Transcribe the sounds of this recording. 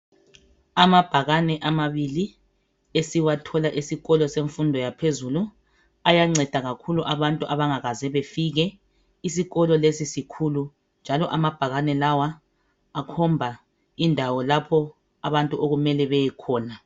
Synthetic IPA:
amab̥ʱaɣanɛʔamaβili | esiwatʰɔlaʔisiɣɔlɔseɱfundʱɔjapʰezulu | ajaŋ͡ǀɛd̥ʱaɣakʰuluʔaβantʼuʔaβaŋaɣazɛβefiɣɛ | isiɣɔlɔlesisikʰulu | nd͡ʒʱalɔʔamab̥ʱaɣanɛlawaː | kʰɔmbʱa | indʱawɔlapʰɔ | aβantʼuʔoɣumɛlɛβɛjɛkʰɔːna

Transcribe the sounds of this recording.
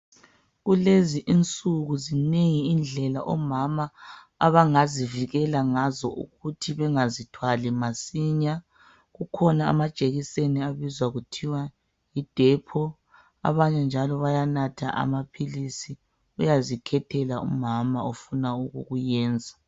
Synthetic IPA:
ɣuleziʔint͡sʼuɣuzineŋiːnd͡ɮʱɛlaʔɔmama̰ː | βaŋaziviɣɛlaŋazɔʔṵɣutʰiβɛŋazitʰwalimasiɲa | ɣukʰɔnaa̰mad̥ʒ̥ʼʱeɣiseniaβizwaɣutʰiwa | jid̥ʱɛpʰɔ | a̰βaɲɛnd͡ʒʱalɔβajanatʰa̰ʔa̰mapʰilisi | ujazikʰɛtʰɛlaʔṵmamaofunauɣṵɣujɛːnd͡zʱa

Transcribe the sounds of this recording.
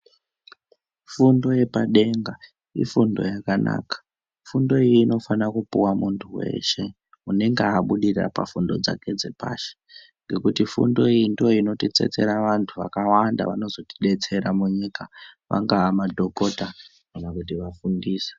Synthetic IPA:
fundo̞je̞paɗe̞ŋɡa | ḭfundo̞̰jakana̰ːkḁ | fundo̞iːno̞fanakupuwamuntʰuwe̞̰ʃe̞ | une̞ŋɡeaɓuɗira̰pa̰fundo̞d͡za̰ke̞d͡ze̞pa̰ːʃe̥ | ŋɡe̞kutifṵndo̞iindio̞ino̞tet͡se̞̰t͡se̞ɾaʋantʰuʋa̰kawanda̰ʋano̞zo̞ti̥ɗe̞t͡se̞ɾamuɲikaʋa̰ŋɡaːmadʱo̞ko̞ta | kanakutiʋafundiːse̥

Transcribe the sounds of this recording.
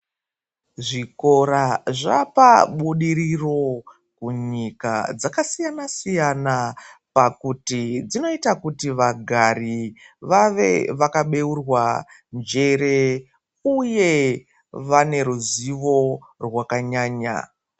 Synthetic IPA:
ʐiko̞ɾaʐapa̰ɓuɗiɾiro̞ | kuɲika̰d͡zakasijanasijanapakutid͡zino̞itakutiʋaɡʱariʋaʋe̞̰ʋakaɓe̞urwand͡ʒe̞ɾe̞ | uje̞ | ʋane̞ɾuziʋo̞rwakaɲaːɲa̰

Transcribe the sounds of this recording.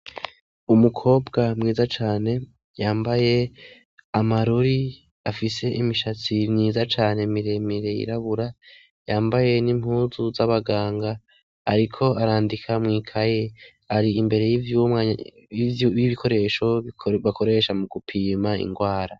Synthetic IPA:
umukʰo̞ːbɡamŋiːzat͡ʃaːne̞ | jaːmbaje̞ | amaɾuɾi | afise̞ʔimiʃat͡simɲiːzat͡ʃaːne̞miɾe̞miɾe̞jḭɾaβuɾa | jaːmbaje̞nim̥huːzuzaβaɡaːŋɡaː | ɾikʰo̞aɾaːndikʰamŋiːkʰaje | aɾiːmbe̞ɾe̞jivjuma | iβikʰo̞ɾe̞ːʃo̞βakʰo̞ɾe̞ʃamuɡupʰiːmaḭŋɡwaːɾa

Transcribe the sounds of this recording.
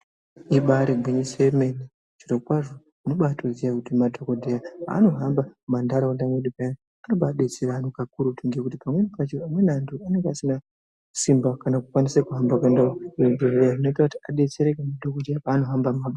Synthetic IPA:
iɓaɾeɡʱweɲisemeni | t͡ʃiɾokwaʐo | noɓatʰozijakutimadʱokodʱejaa̰ːno̞ɦambamandaɾaondamweɗipaja | anoɓaːɗe̞t͡seɾanokakuɾutuŋɡekutipamwe̞nipat͡ʃoamwe̞nantʰuane̞ŋɡeasina | simbakanakukwanisekuɦambakendadʱoreaʐino̞itakutiaɗe̞t͡se̞ɾekamadʱokodʱejapaːno̞ɦambamaɓa

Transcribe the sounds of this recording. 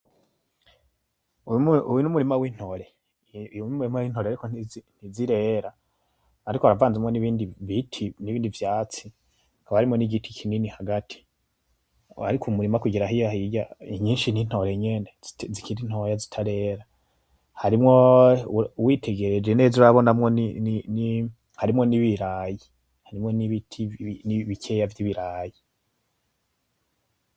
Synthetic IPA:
uuwinumuɾimawiːn̥ho̞ɾe | inumuɾimawiːnhoɾeaɾikonniziɾe̞ːɾaː | ɾikohaɾavaːnzumŋe̞niβiːndiβitʰiniβiːndivjaːt͡si̥ | ŋɡaβaɾimŋo̞niɡitʰi̥kʰininihaɡatʰi̥ | aɾikʰumuɾimakuɟiɾaɦijahiɟaiɲiːnʃinin̥ho̞jeɲe̞nezikiɾin̥ho̞jazi̥tʰaɾe̞ːɾa | haɾimŋo̞ | uwiːtʰe̞ɡe̞ɾed͡ʒenezuɾaβo̞namŋoninini | haɾimŋo̞niβiɾaji | haɾimŋo̞niβitʰiniβikʰejavjiβiɾaːji

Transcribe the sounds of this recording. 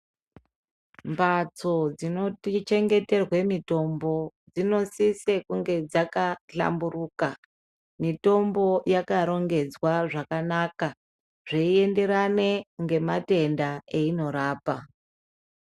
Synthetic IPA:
mbat͡so̞d͡zino̞tit͡ʃe̞ŋɡe̞te̞rwe̞mito̞mbo̞d͡zino̞sisekuŋɡe̞d͡zakaɬa̰mburuːka | mito̞mbo̞jakaɾo̞ŋɡe̞d͡zwaʐakanaka | ʐeie̞nde̞ɾane̞ŋɡe̞mate̞ndae̞ino̞ɾaːpa

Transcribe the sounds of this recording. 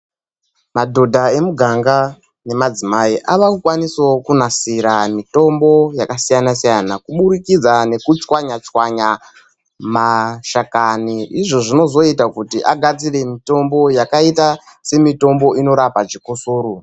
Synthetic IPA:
madʱo̞dʱae̞muɡʱaŋɡa | ne̞mad͡zimaiʔaʋakukwaniswokunasiɾamito̞mbo̞jakasijanasijanakuɓuɾikid͡zane̞kut͡ʃwaɲat͡ʃwaɲa | maʃakaniiʐo̞ʐino̞zo̞itakutiʔaɡʱad͡zire̞mito̞mbo̞jakaita | se̞mito̞mbo̞ʔino̞ɾapat͡ʃikusuːɾu

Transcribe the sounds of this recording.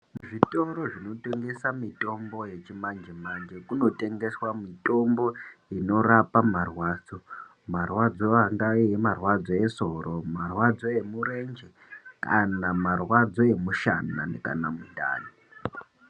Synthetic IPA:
mʐito̞ɾo̞ʐino̞te̞ŋɡe̞samito̞mbo̞je̞t͡ʃimand͡ʒemand͡ʒe̞kuno̞te̞ŋɡe̞swamito̞mbo̞ino̞rapamarwaːd͡zo̞ | marwad͡zo̞aŋɡaijemarwad͡zo̞e̞so̞ɾomarwad͡zo̞e̞muɾe̞nd͡ʒe | ka̰namarwad͡zo̞e̞muʃana̰nḛka̰namudʱa̰ːni

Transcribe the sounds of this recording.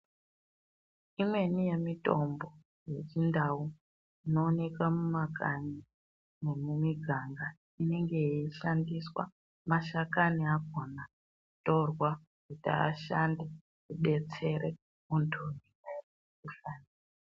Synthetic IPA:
imwe̞nije̞mito̞mbo̞ | je̞t͡ʃindau | ino̞ːne̞kamumakaɲi | ne̞mumiɡʱaŋɡa | ine̞ŋɡe̞iʃandiswa̰ | maʃakaniaɡʱo̞na | kuto̞rwa | kuta̰ːʃande | kuɓe̞t͡se̞re | muntʰunika | ufani | a

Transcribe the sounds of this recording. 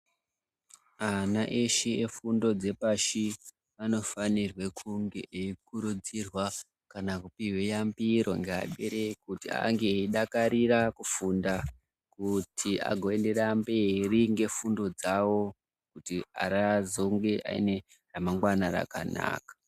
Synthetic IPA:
anaʔeʃeefundo̞d͡ze̞paʃi | ano̞fanirwe̞kʰuŋɡe̞ʔeikuɾud͡zirwa | kanakupiwejambiɾo̞ŋɡea̰ɓe̞ɾekutia̰ŋɡe̞iɗakaɾirakufunda | kutʰia̰ɡʱo̞e̞nde̞ɾamberiŋɡe̞fundo̞d͡zawo̞ | kutia̰ɾazo̞ŋɡe̞ʔa̰ḭne̞ | ramaŋɡwanaɾa̰ka̰na̰ːkḁ

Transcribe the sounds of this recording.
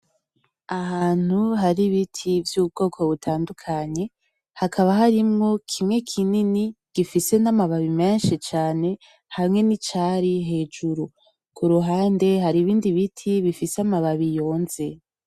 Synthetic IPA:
ahaːn̥huɦaɾiβitʰivjuːb̚ɡo̞ːkʰo̞βutʰaːndukʰaɲe̞ | hakʰaβaɦaɾimŋo̞kʰimŋe̞kʰininiɡ̥ifise̞namaβaβime̞ːnʃit͡ʃaːne̞ | hamŋe̞nit͡ʃaɾiɦe̞ːd͡ʒuɾu | kʰuɾuɦaːnde̞haɾiβiːndiβitʰiβifiseamaβaβijo̞ːnze̞

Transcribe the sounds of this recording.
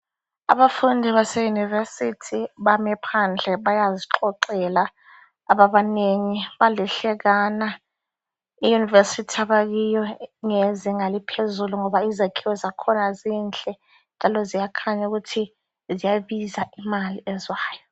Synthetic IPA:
a̰ɓafundʱiβasɛjunivesitʰiɓamɛpʰand͡ɮʱɛɓajaziǁɔǃɛlaː | ɓaɓaneŋiɓalɛɬɛk̬ana | ijunivesitʰiaɓak̬ijɔŋeziŋalipʰezuluŋɔɓaizakʰiwɔzakʰɔnaziːnt͡ɬʼɛ | nd͡ʒʱalɔzijakʰaɲauk̬utʰi | zijaɓizaimaliɛzwaːjɔ

